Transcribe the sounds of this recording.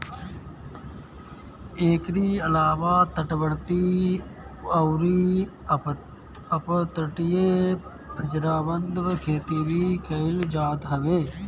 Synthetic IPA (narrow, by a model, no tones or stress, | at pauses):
eːkɾiːɐlaːʋaːt̪əʈbəɽt̪i | ɐʊɾi | əpt̪əʈije | pʰɪd͡ʒɾaːbənd̪ʋkʰeːt̪ibikəɪld͡ʒaːd̪ɦɐʋeː